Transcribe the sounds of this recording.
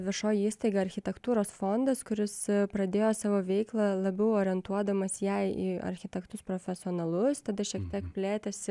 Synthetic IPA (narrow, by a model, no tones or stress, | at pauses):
ʋʲɪʃoːjiiːst̪ɐɪɡɐɐɾʲxʲɪt̪ʲɛkt̪uːɾoːsfond̪ɐskʊɾʲɪspɾɐd̪ʲeːjoːsɑːʋoːʋʲɛɪklˠɑlˠɐbʲɛʊoːɾʲɛnt̪uɔd̪ɐmɐsjɛɪḭːɐ̰ɾʲxʲɪt̪ʲɛkt̪ʊspɾoːfʲɛsʲɪoːnɐlˠʊst̪ɐd̪ɐʃʲiɛk̚t̪ʲiɛkpʲlʲæːt̪ʲɛs